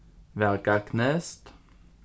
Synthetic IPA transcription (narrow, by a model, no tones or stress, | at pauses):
ʋæʁkɑkʰnɛst̪